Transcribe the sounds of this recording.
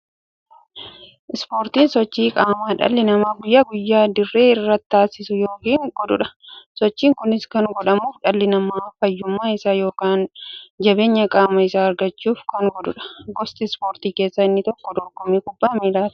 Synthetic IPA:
ʔɪspo̞ːɾt̪iːnsɔt͡ʃːiːkʼaːmaːᶑɐ̰lːɪnɐmaːɡʊjːaːɡʊjːaːd̪ɪrːe̞ːɪrːɐt̪ːaːsɪsʊjo̞ːkiːŋɡɔᶑ̪ʊᶑɐ̥sɔt͡ʃːiːŋkʊnɪskɐŋɡɔᶑɐmuːfᶑɐlːɪnɐmaːfɐjːʊmːaːɪsaːjo̞ːkaːnd͡ʒɐbe̞ːɲːɐkʼaːmɐɪsaːɐɾɡɐt͡ʃːuːfkɐŋɡɔᶑ̪ʊᶑɐ̥ɡɔst̪ɪspoːɾt̪iːkeːsːɐɪnːɪt̪ɔkːɔd̪ɔɡɔmiːkʊbːaːmiːlaːt̪

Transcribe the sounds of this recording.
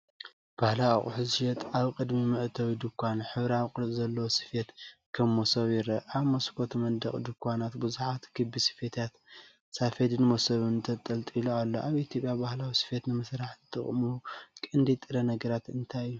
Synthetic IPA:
b̥ahlaaχʼʊ̰ħɨzjɛt̪ʔaβkʼɨd̪mimɨʕt̪ʰɐwid̪ɨkʰʷːanħɨβɾawkʼɨɾt̪ʼzɐlːɐwosɨ̥fet̪kʰɐmːosɐβjɪɾɐʔaβmoskʰot̪mɐnd̪ɐχʼd̪ɨkʰʷːanat̪bɨzuħat̪ɡʰɨbːisɨ̥fet̪ʰat̪ | safed̪ɨnmosɐβɨnt̪ʰɐt̪ʼɐlt̪ʼiloalːoʔaβit̪ʰjo̞pʼjabahlawisɨ̥fet̪nɨmɐsɾaħɨt̪ʰɨ̰χʼmukʼɨnd̪it̪ʼɨɾɐnɐɡɐɾat̪ɨnt̪ʰajɨjːu

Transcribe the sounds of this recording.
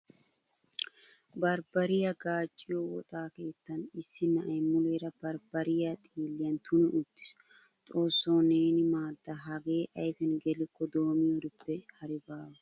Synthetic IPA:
bɐɾbɐɾɪjɐɡaːt͡ʃʼːɪjowɔ̰t̪ʼaːke̞ːt̪ːɐnɪsːɪnɐʔɐjmʊleːɾɐb̥ɐɾb̥ɐɾɪjat̪ʼiːlːɪjɐnt̪ʰʊnɛʔʊt̪ːɪ̥s | t̪ʼo̞ːsːoːneːnɪmaːd̪ːɐɦɐɡe̞ːʔɐjfɛnɡɛlɪkːɔd̪o̞ːmɪjoɾɪbːɛhɐɾɪbaːwɐ

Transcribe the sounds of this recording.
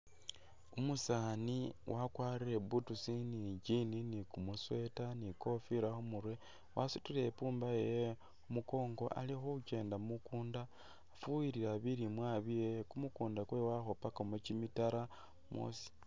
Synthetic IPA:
umusaniwʔakwaːrire̞butusiniɟininikumuswe̞taniko̞fiɾaxumuɾwe̞ | wʔasu̥tule̞puːmbaje | omuko̞ːŋɡo̞ʔa̰lixouce̞ːndamukuːndaː | fuwiɾiɾaβiɾimwaβijekumukuːndakwe̞waxopakomecimitaɾa | mo̰si̥

